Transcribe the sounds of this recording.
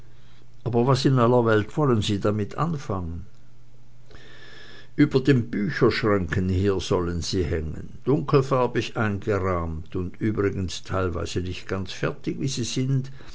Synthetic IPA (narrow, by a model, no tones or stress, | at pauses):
ʔaːbɐvasɪnʔalːɐvɛltv̥ɔlənziːdamɪtʰʔa̰nfaŋən | ʔyːbɐdeːmbyːçɐʃʁ̥aŋkən̩hiːɐz̥ɔlənziːhɛŋə̰nd̥ʊŋkl̩faɐbɪçʔaɪnɡəʁaːmtʊndʔyːbʁɪɡənstʰaɪlva̰ɪz̥ənɪçtɡ̥ant͡sfɛɐtɪçviːziːzɪnt